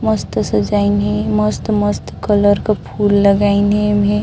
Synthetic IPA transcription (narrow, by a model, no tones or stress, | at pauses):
məst̪səd͡ʒainɦẽməst̪məst̪kələɾkapʰuːlːəɡainɦemɦẽ